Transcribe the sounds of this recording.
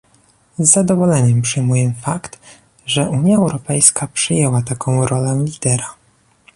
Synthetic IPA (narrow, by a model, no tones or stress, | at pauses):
zːad̪ɔvɔlɛɲɛmpʂɘjmujɛmfakt̪ | ʐɛʔuɲjaɛwɾɔpɛjskapʂɘjɛwat̪akʰɔ̃w̃ɾɔlɛlʲid̪ɛɾa